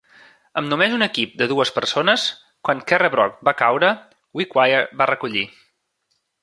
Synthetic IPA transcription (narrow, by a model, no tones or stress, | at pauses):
əmnumezunəkip̚d̪əðuəspəɾsonəs | kwaŋkɛrəβɾɔk̚bakawɾə | wikwajəɾbarəkuʎḭ